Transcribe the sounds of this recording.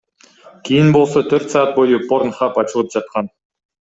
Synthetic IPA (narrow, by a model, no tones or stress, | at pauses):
kʲʰejɪnbolˠsɑt̪ʰɵɾt̪sɑːɑt̪̚bojəpʰoɾnχɑpɑt͡ʃəlˠəpʒ̥ɑt̪̚qɑn